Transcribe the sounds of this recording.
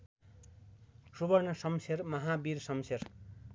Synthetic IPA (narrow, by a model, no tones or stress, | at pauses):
subʌrnʌsʌmsʰermʌɦabiɾsʌmser